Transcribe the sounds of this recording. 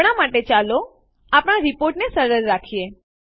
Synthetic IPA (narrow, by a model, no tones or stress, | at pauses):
ɽ̃amaʈet͡ʃalo | apɽ̃aɾipoɾʈnesəɾəɾːakʰije